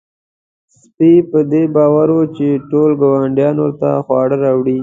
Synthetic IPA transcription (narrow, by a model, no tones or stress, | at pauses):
s | pipəd̪ebɑwaɾwot͡ʃeʈolɡawaɳɖjɑnwʊɾt̪a̰xwɑɽəɾɑwɽi